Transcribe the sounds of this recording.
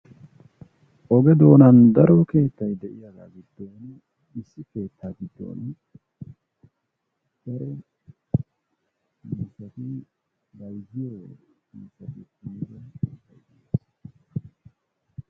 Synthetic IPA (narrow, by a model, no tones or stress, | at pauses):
ʔɔɡɛd̪oːnɐnd̪ɐɾɔke̞ːt̪ːɐjd̪ɛʔɪjɐɡa̰ːɡɪd̪̥ːoːn | ɪsːɪke̞ːt̪ːaːɡɪd̪ːo̰ːn | d̪̥ɐɾɛ | miːsɐt̪ɪ | bɐjzɪjowɛ̰miːsːɐt̪ɪiɾɐnḛːtːɐjd̪ɪjɐs